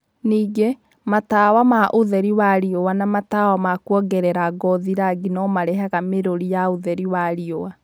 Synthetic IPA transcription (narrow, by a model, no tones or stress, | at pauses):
niːɡe | matawamaʔoðɛɾiwaɾiowanamatawamakwɔɡɛɾɛɾaɡɔðiɾaɡinɔmaɾɛɦaɣameɾoɾijaoðɛɾiwaɾiowa